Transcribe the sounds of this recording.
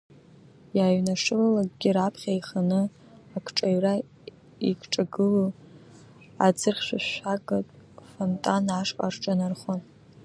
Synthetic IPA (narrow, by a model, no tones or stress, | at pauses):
jaːɥnaʂɨlalakʼɡʲiɾapʰχʲaiχanɨ | akʰʈ͡ʂʼaɥra | ikʷʰʈ͡ʂʼaɡɨlo | a̰d͡zɨrχʲʃʷᶣaʃʷakʼatʼfontʼanaʂqʼa̰rʈ͡ʂʼanarχʷon